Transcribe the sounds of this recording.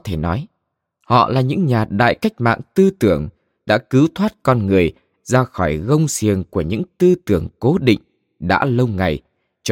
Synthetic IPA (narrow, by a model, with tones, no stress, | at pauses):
t̪ʰe˧˩nɔ˨˦j | hɔ̰˧˨laː˨˩ɲɨ̰˧˥ŋɲaː˨˩ɗa̰ː˧˨jka˦˥jk̟̚ma̰ː˧˨ŋt̪ɨ˧t̪ɨ˧˩əŋ | ɗa̰ː˧˥kɨ˨˦wt̪ʰwaː˦˥t̚kɔ˧nŋɨ˨˩əj | zaː˧xɔ˧˩jɣə˧wŋ͡msi˨˩əŋku˧˩əɲɨ̰˧˥ŋt̪ɨ˧t̪ɨ˧˩əŋko˨˦ɗḭ˧˨ŋ̟ | ɗa̰ː˧˥lə˧wŋa˨˩j | t͡ɕ